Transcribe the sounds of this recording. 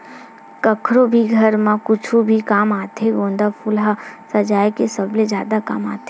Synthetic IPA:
kəkʰɾobʱiɡʱɐɾmãkʊt͡ʃʰubʱikaːmaːt̪ʰeɡõːnd̪apʊlɦasɐd͡ʒaːjkesəbled͡ʒjaːd̪aka̰maːt̪ʰe

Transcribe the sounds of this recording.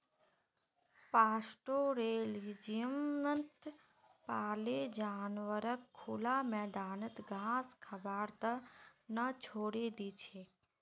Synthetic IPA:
paːsʈoɾeːlid͡ʒijəmnənt̪ | paːled͡ʒaːnʋəɾəkʰːulamɛːd̪aːnət̪ɡʱãːskʰəbaːɾt̪ənət͡ʃʰoːɽed̪it͡ʃʰeː

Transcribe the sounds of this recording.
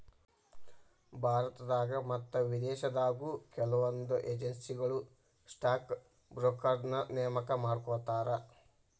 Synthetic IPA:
bʱaːɾɐt̪ɐd̪aːɡɐmɐt̪ːɐʋid̪ɛːʃɐd̪aːɡuːkɛlɐʋond̪uʔeːd͡ʒensiɡɐɭu | sʈaːk | bɾoːkɐɾnɐnɛjɐmɐkɐmaːɖkɔːt̪aːɾɐ

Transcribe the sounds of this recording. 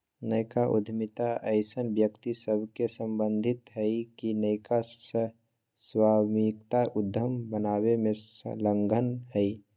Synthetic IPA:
nəkaʔṵd̪ʱmit̪aəɪsənbjəkt̪isəbʱkesəmbənd̪ʱit̪ɦəɪkinəɪkasə | swamikt̪aʔud̪ʱːəmbənaβemḛ̃ləŋɡʱənɦəɪ

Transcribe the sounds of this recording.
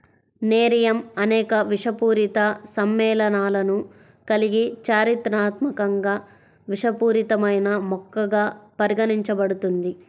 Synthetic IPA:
neːɾijɐmɐnɛːkɐʋiʂɐpuːɾit̪ɐsɐmːɛːlɐnaːlɐnu | kɐliɡit͡ʃaːɾit̪ɾaːt̪mɐkɐŋɡaː | ʋiʂɐpuːɾit̪ɐmɐjnɐmɔkːɐɡaːpɐɾiɡɐniɲt͡ʃɐbɐɽut̪und̪i

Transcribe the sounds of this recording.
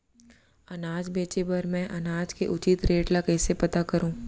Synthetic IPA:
ɐnaːd͡ʒbeːt͡ʃepɐɾmɛ̃ʔɐnaːd͡ʒkeʔʊt͡ʃɪt̪ɾeːʈlakɛːsepɐt̪akɐɾũː

